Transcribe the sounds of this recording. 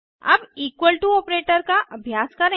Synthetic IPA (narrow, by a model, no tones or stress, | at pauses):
ɐ̰biːkwəlʈuoːpɾeːʈəɾkaʔɐbʱjaːskɐɾẽ